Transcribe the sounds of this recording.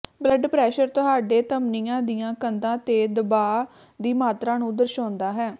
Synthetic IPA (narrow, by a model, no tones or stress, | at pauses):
bləɖpɾɛːʃəɾt̪ʊɦaːɖeːt̪əmniːãːd̪ijãːkənd̪ãːt̪eːd̪əbaː | d̪iːmaːt̪ɾãːnũːd̪əɾʃoːnd̪aːɦɛː